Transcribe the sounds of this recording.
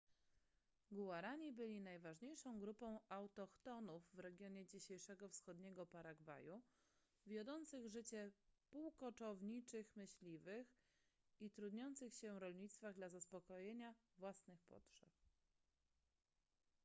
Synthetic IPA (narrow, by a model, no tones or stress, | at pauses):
ɡuwaɾaɲibɘlʲinajvaʐɲejʂɔ̃w̃ɡɾupɔ̃w̃awt̪ɔxt̪ɔnuvːɾɛɡʲjɔɲɛd͡ʑiɕejʂɛɡɔfsxɔd̪ɲɛɡɔpaɾaɡva̰ju | vʲjɔd̪ɔnt̪sɘɣʐɘt͡ɕɛpuwkɔt͡ʂɔvɲit͡ʂɘxmɘɕlʲivɘx | it̪ɾud̪ɲɔnt̪sɘxɕɛɾɔlɲit̪st̪faɣd̪lazaspɔkɔjeɲavwasnɘxpɔ̰tʂɛ̰p̚